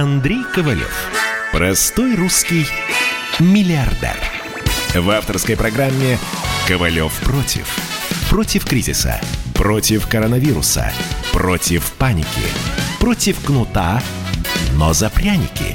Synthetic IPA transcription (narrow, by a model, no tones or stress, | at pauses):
ɐnd̪ɾʲejkəvɐlʲo̰fpɾɐst̪ojruskʲɪj | mʲɪlʲɪɐrd̪ɛ̰r | vaft̪ərskəjpɾɐɡɾamʲːɪ | kəvɐlʲofpɾotʲʰɪ̰f | pɾotʲɪfkɾʲizʲɪsə̰pɾotʲɪfkəɾənɐvʲiɾʊ̰sə̰pɾotʲɪfpanʲɪkʲɪ̰pɾotʲɪfknʊt̪a | nozɐpɾʲanʲɪkʲɪ̰